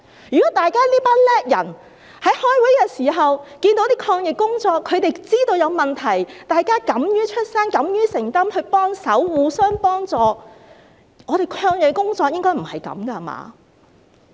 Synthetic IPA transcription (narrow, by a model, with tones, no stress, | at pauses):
jyː˨kɔː˨˥t̪aː˨jkaː˥liː˥paː˥nlɛː˥k̚jɐ̰˨˩n | hɐ˨˥jhɔː˥jwuː˨˥jkɛː˧siː˨˩ɦɐ˨wkiː˧nt̪o˨˧˥t̪iː˥kʰɔː˧ŋjɪ˨kkːʊ˥ŋt͡sɔː˧kʰːɵ˨˧ɥt̪e˨jt͡siː˥t̪o˧wjɐ˨˧wmɐ˨nt̪ʰɐ˨˩jt̪aː˨jkaː˥kɐ˨˥mjyː˥t͡ʃʰɵ˥t̚saː˥nkɐ˨˥mjyː˥sɪ˨˩ŋt̪ɐ˥mhɵ˧ɥpɔː˥ŋsɐ˨˥wwuː˨˧sœː˥ŋpɔː˥ŋt͡sɔː˨˧ | ŋɔː˨˧t̪e˨jkʰɔː˧ŋjɪ˨kkʊ˥ŋt͡sɔː˧k̚jɪ˥ŋkɔː˥jm̩˨˩hɐ˨jkɐ̰˨˧mkɐ˧˨ma̰ː˨˧˦